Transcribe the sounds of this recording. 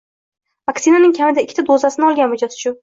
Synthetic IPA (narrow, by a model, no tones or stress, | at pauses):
vaksinanɪŋkʲʰamɪd̪aɪkʲʰːɪt̪ʰad̪ozasɪnɪɒlˠɡʲanvɪd͡ʒasɪ̥t͡ʃʰʊn